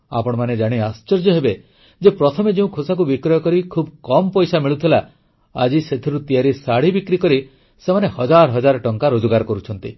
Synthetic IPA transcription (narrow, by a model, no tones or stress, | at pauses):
a̰pɔɽ̃ɔmaned͡ʒaɽ̃iast͡ʃɔɾd͡ʒɔɦebe | d͡ʒepɾɔt̪ʰɔmed͡ʒeũkʰosak̬ubikɾɔjɔkɔɾikʰubkɔmɔpɔjsamiɭut̪ʰila | a̰d͡ʒiset̪ʰiɾut̪ijaɾisaɽibikɾikɔɾi | semanehɔd͡ʒaɾɔɦɔd͡ʒaɾɔʈɔŋkaɾod͡ʒɔɡaɾɔkɔɾut͡ʃʰɔnt̪i